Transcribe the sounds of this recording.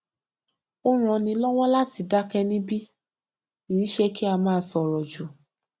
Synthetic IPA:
o˦ɾ̃ɔ̃˧nĩ˧lɔ˦w̃ɔ̃˦la˦ti˧da˦kɛ˧nĩ˦bi˦ | i˨i˦ʃe˦ki˦a˧mãː˦˧˦sɔ˧ɾɔ˨d͡ʒu˨

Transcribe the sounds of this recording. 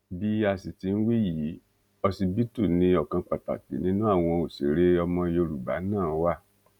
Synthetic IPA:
bi˦a˧si˨ti˧n̩˦wi˦jiː˨˦ | ɔ˧si˧bi˦tu˦˨nĩ˧ɔ˦˨kã˧k͡pa˨ta̰˨k͡pḛ˨nĩ˦nũ˦a˦˨w̃ɔ̃˧o˨sḛ˨ɾe˦ɔ˧mɔ̃˧jo˧ɾu˨ba̰˨˦nãː˦˨˦wa˦˨

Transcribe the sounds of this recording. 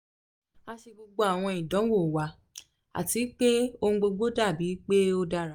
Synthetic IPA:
a˧ʃi˧ɡ͡bo˧ɡ͡bo˧˦a˦˨w̃ɔ̃˧i˨dɔ̃˨˦wo˦˨wa˨ | a̰˨ti˨˦k͡pe˦õ˧˦ɡ͡bo˧ɡ͡bo˦da˦˨bi˨˦k͡pe˦o˧da˧ɾa˨˦

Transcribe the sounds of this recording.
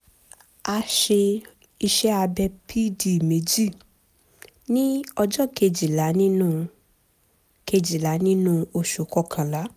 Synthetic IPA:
a˧ʃe˧ | i˧ʃɛ˦a˧bɛ˧pʰi˦di˨me˨˦d͡ʒi˦˨ | nĩ˦ɔ˧d͡ʒɔ˦ke˧d͡ʒi˨la˨˦nĩ˦nũ˦ | ke˧d͡ʒi˨la˨˦nĩ˦nũ˦o˧ʃu˨˦kɔ˨˦kʰã˨la˨˦

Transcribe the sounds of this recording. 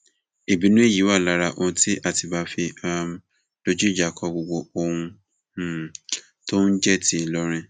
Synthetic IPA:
e˨bi˨˦nũ˦e˦˨ji˨˦wa˦˨la˦ɾa˧ʔõ˧˦ti˦ʔa˦˨ti˨ba˧fi˧a˦m˦ | d̥o˦d͡ʒi˦˨d͡ʒa˨kʰɔ˨˧ɡ͡bo˨ɡ͡bo˨o˦hũ˧˨ | to˦n̩˦d͡ʒɛ˦˨tʰi˦˨lɔ˦ɾ̃ĩ˦

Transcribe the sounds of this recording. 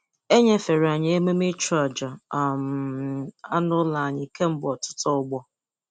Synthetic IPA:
e˦ɲe˦fe˨ɾa˨ɲɪ˨˦e˦me˦me˦t͡ʃɾa˦˨d͡ʒa˨m˨a˦nʊ˦la˨a˨ɲɪ˨kʰe˦m̩˦bɔ˨tʊ̥˦tɔ˦ʊ˦ɡ͡bɔ˦

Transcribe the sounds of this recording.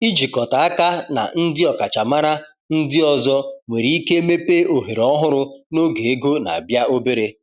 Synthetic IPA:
i˦d͡ʒi˨kɔ˨ta˨a˦ka˦na̰˨n̩˦dɪ˦ɔ˨ka˨t͡ʃa˨ma˦ɾa˦ | n̩˦dɪ˦ɔ˨zɔ˦ŋʷe˨ɾi˨˦i˦ke˦me˦pe˦o˨ɦe˨ɾɔ˦ɦʊ˦ɾʊ˦no˦ɡe˨e˦ɡo˦na̰˨a˨bja˦o˦be˦ɾe˦

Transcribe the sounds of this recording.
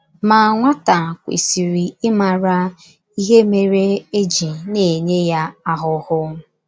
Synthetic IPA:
ma˨ŋʷa˦ta˨kʷḭ˨si˨ɾi˨ɪ˦ma˨ɾa˦ | i˦ɦe˦me˨ɾe˦e˦d͡ʒi˨ne˨ɲe˦ja˦a˦ɦʊ˦hʊ˦

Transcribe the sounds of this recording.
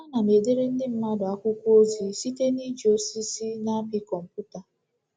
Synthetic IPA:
a˦na˨ne˨de˦ɾe˦n̩˦dɪ˦m̩˦ma˦dʊ˨a˦kʷʊ˦kʷu˦o˦zi˨si˦te˦ni˦d͡ʒi˨o˦si˦si˦na˦pi˦kɔ˨m̩˨pu˦ta˨

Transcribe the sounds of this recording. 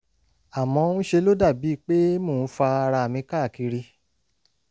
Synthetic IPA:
a˨mɔ̃˧˦nũ˦ʃe˧lo˦da˦˨bi˨˦˨k͡pe˦mõː˦˨n̩˦fa˧a˧ɾa˧˨mĩ˧ka˦˨ki˧ɾi˧

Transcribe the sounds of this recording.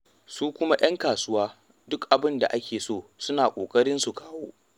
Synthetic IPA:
suː˦kʷʊ˦ma˦jʔɐ˦ŋkaː˨sʊ˦waː˦ | dʊ˦kʔa˨bɪ˦nda̰˨ʔa˦kʲeː˨soː˦˨sʊ˦naː˨kʷʼoː˨kʼɐ˦ɽɪ˦nsu˨kʰaː˦woː˦

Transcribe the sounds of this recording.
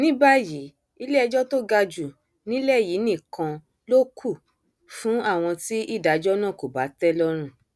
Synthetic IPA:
nĩ˦ba˦ji˨˦ | i˧˦le˦ɛ˧d͡ʒɔ˦to˦ɡa˧d͡ʒu˨ | nĩ˦lɛ˦˨ji˨˦nĩ˦˨kã˧ | lo˦kʰu˦˨ | fũ˦a˦˨w̃ɔ̃˧ti˦ʔi˦˨da˧d͡ʒɔ˦nã˦˨ko˨ba˨˦tɛ˦lɔ˦ɾ̃ũ˦˨

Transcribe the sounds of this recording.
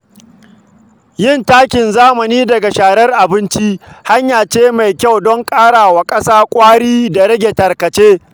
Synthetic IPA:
jɪ˦˨ntaː˦kʲɪ˨nzaː˦mɐ˨niː˦dɐ˨ɡa˨ʃaː˨ɽɐ˦rʔa˨bɪ˦nt͡ʃi˦ha˦ɲjaː˨t͡ʃeː˦ma˨jkʲa˦˨wdɔ˦ŋkʼaː˦ɽaː˨wa˨kʼɐ˦saː˦kʷʼaː˦ɽiː˦da˨ɾɐ˦ɡʲe˨tɐ˨rkɐ˨t͡ʃeː˦

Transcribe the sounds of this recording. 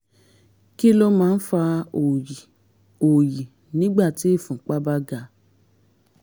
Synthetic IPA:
ki˦lo˦mãː˦˧n̩˦fa˧o˨i˨ | o˨ji˨ | nĩ˦ɡ͡ba˦˨ti˨˦e˦˨fũ˨˦k͡pa˦ba˦ɡa˧˦

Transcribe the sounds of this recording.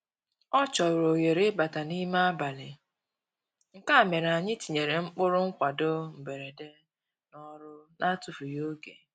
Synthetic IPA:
ɔ˦t͡ʃɔ˨ɾo˨ɣe˨ɾe˦ba˨ta˨ni˦ma˦a˦ba˨lɪ˨ | ŋ̩˨ka˦˨me˨ɾa˨ɲɪ˦ti˨ɲe˨ɾe˨ŋ͡m̩˦k͡pʊ˦ɾʊ˦ŋ͡m̩˦kʷa˨dʊ˦m̩˨be˨ɾe˨de˦ | nɔ˦ɾʊ˦na˦tu˨fu˨jo˦ɡe˨

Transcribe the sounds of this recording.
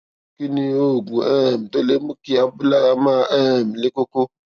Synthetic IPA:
ki˦nĩ˧o˦˨ɡũ˨ɛ˦˨mi˨to˦le˦mũ˦ki˦a˧bu˦la˦ɾa˧mãː˦˧ʔɛ˦˨mi˨le˦ko˦ko˦

